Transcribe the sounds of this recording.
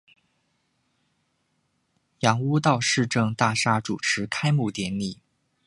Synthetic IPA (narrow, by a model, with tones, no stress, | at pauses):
jɑ˧˥ŋu˥t̪ɑ˥˧ʊʂɻ̩˥˧ʈ͡ʂɤ˥˧ŋt̪a˥˩ʂa˥ʈ͡ʂu˨˩ʈ͡ʂʰɻ̩˧˥kʰa˥ɪmu˥˩t̪jɛ˧˥nli˨˩˦